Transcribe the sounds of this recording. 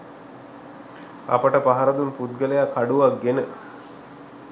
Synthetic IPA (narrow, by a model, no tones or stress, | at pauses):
a̰pəʈəpaɦaɾəd̪unput̪ɡələjakʰːaɖuʋak̚ɡenə